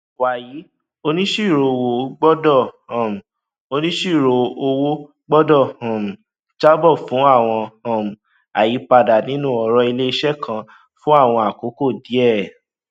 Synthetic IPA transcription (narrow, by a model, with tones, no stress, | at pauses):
wa˨ji˨˦ | o˧nĩ˦ʃi˦˨ɾo˨˧wo˨˦ɡ͡bɔ˦dɔ˦˨hã˨m̩˨ | o˧nĩ˦ʃi˦˨ɾo˨˧˨o˧wo˦ | ɡ͡bɔ˦dɔ˦˨hɔ̃˨m̩̃˨ | t͡ʃa˦bɔ˦˨fũ˨˦a˦˨w̃ɔ̃˧hã˨m̩˨ | a˨ji˨˦pa˧da˨nĩ˦nũ˦˨ɔ˧ɾɔ˧i˧le˦i˦ʃɛ˦kʰã˧ | fũ˦a˦˨w̃ɔ̃˧a˨ko˨˦ko˦˨di˨˦ɛ˦˨